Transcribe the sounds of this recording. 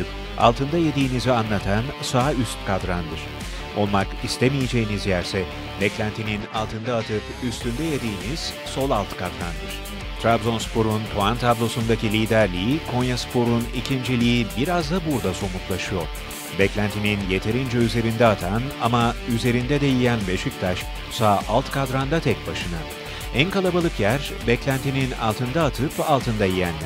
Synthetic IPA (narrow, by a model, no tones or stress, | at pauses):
ɯp | a̰lˠt̪ʰɯnd̪ajed̪iːnizianlˠat̪ʰansayst̪̚kʰad̪ɾand̪ɯɾ̥ | o̞lˠmakist̪ʰemijed͡ʒe̞jinizjæɾsɛ | bɛclʲænt̪ʰininalˠt̪ʰɯnd̪aːt̪ʰɯp | yst̪ynd̪ɛjed̪iːniz̥ | so̞lˠalˠt̪ʰkʰad̪ɾand̪ɯɾ̥ | t̪ʰɾabzo̞nspʰo̞ɾunt̪ʰoant̪ʰablˠo̞sund̪acilʲiːd̪æɾlʲijikʰo̞njaspʰo̞ɾunicʰind͡ʒilʲijibiɾazd̪abuɾd̪aso̞mut̪lˠaʃɯjo̞̰ɾ̥ | bɛclʲænt̪ʰininje̞t̪ʰe̞ɾind͡ʒɛyze̞ɾind̪ɛat̪ʰanamayze̞ɾind̪ɛd̪ɛjijænbe̞ʃic̚t̪ʰaʃ | saːʔalˠt̪kʰad̪ɾand̪at̪ʰɛc̚baʃɯna | ænkalˠabalˠɯkjæɾ | bɛclʲænt̪ʰinina̰lˠt̪ʰɯnd̪aːt̪ʰɯpalˠt̪ʰɯnd̪ajijænlʲæ